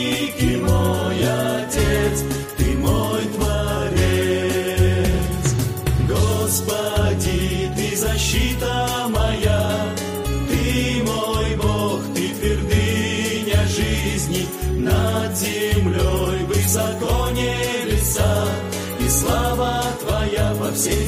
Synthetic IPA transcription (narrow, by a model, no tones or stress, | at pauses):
kʲɪmojɐtʲet̪s | t̪ɨmojt̪vɐɾʲe | t̪s | ɡospɐdʲit̪ɨzɐɕːit̪ə | mɐja | t̪ɨmojboxt̪ɨpʲɪrd̪ɨ | nʲɐʐɨzʲnʲi | nɐd̪zʲɪmlʲojvɨzɐkonʲɪ | lʲɪsa | islˠavət̪vɐjapɐfsʲe